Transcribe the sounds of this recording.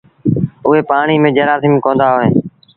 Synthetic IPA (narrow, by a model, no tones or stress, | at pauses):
ʊɦeːpaːɳiːmẽːd͡ʒəɾaːsimkõːnd̪aːɦoːɦeː